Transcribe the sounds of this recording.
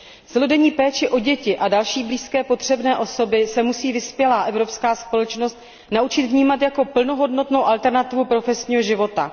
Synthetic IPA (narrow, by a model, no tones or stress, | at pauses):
t͡sɛlodɛɲiːpɛːt͡ʃɪʔo̞ɟɛcɪʔadalʃiːbliːskɛːpo̞t̪r̝̥ɛbnɛːʔo̞so̞bɪsɛmusiːvɪspjɛlaːʔɛvɾo̞pskaːspo̞lɛt͡ʃno̞st̪ | naʔut͡ʃɪt̪vɲiːmat̪jako̞pl̩no̞ɦo̞dnot̪no̞wʔalt̪ɛɾnat̪ɪvupɾo̞fɛsɲiːɦo̞ʒɪvo̞t̪a̰